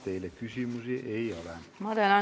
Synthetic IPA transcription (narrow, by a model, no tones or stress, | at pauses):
t̪eilːekysyˑmysieʔeiolemɑdelɑ